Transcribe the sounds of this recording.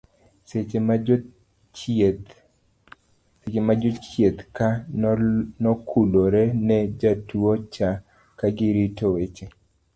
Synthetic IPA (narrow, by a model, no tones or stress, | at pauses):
se | set͡ʃemad͡ʒɔt͡ʃjet̪ka | nɔkʰuloɾɛnɛd͡ʒatuot͡ʃa | kaɡɪɾitowet͡ʃe